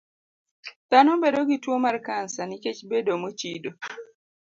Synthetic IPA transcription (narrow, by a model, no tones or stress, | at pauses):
tanombedoɡitwomarkansaniket͡ʃbedomot͡ʃido